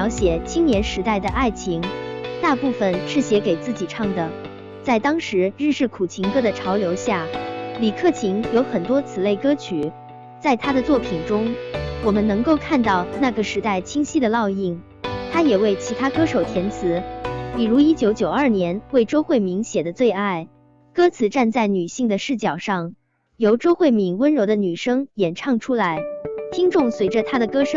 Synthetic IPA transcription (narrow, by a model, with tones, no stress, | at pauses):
ɑ˧˥ʊɕjɛ˨˩t͡ɕʰi˥ŋnjɛ˧˥nʂɻ̩˧˥t̪a˥˩ɪd̪ə˩ʔa˥˩ɪt͡ɕʰi˧˥ŋt̪a˥˧pu˥˩fə˩nʂɻ̩˥˩ɕjɛ˧˥ke˨˩ɪt͡sɹ̩˥˩t͡ɕi˨˩ʈ͡ʂʰɑ˥˩ŋd̪ə˩ | t͡sa˥˩ɪt̪ɑ˥ŋʂɻ̩˧˥ɻɻ̩˥˧ʂɻ̩˥˩kʰu˨˩t͡ɕʰi˧˥ŋkɤ˥d̪ə˨ʈ͡ʂʰɑ˧˥ʊljo˧˥ʊɕja˥˩li˨˩kʰɤ˥˩t͡ɕʰi˧˥ŋjo˧˥ʊxə˨˩nt̪wɔ˥t͡sʰɹ̩˨˩le˥˩ɪkɤ˥t͡ɕʰy˨˩˦ | t͡sa˥˩ɪt̪ʰa˥d̪ə˨t͡swɔ˥˩pʰi˨˩nʈ͡ʂʊ˥ŋwɔ˨˩mə˦nnɤ˧˥ŋko˥˧ʊkʰa˥˧nt̪ɑ˥˧ʊna˥˩ɡə˩ʂɻ̩˧˥t̪a˥˩ɪt͡ɕʰi˥ŋɕi˥d̪ə˨lɑ˥˧ʊi˥˩ŋ | t̪ʰa˥jɛ˨˩we˥˩ɪt͡ɕʰi˧˥t̪ʰa˥kɤ˥ʂo˨˩ʊt̪ʰjɛ˧˥nt͡sʰɹ̩˧˥pi˨˩ɻu˧˥i˥t͡ɕjo˧˥ʊt͡ɕjo˨˩ʊə˞˥˩njɛ˧˥nwe˥˩ɪʈ͡ʂo˥ʊxwe˥˩ɪmi˧˥ŋɕjɛ˨˩d̪ə˦t͡swe˥˧ɪa˥˩ɪ | kɤ˥t͡sʰɹ̩˨˧˥ʈ͡ʂa˥˧nt͡sa˥˩ɪny˨˩ɕi˥˩ŋd̪ə˩ʂɻ̩˥˩t͡ɕjɑ˨˩ʊʂɑ˥˩ŋ | jo˧˥ʊʈ͡ʂo˥ʊxwe˥˩mi˧˥nwə˥nɻo˧˥ʊd̪ə˧ny˨˩ʂɤ˥ŋjɛ˨˩nʈ͡ʂʰɑ˥˩ŋʈ͡ʂʰu˥la˧˥ɪt̪ʰi˥ŋʈ͡ʂʊ˥˩ŋswe˧˥ɪʈ͡ʂə˧t̪ʰa˥d̪ə˨kɤ˥ʂɤ˥